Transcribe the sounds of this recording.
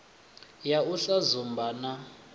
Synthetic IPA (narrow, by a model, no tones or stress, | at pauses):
jauɬazumbana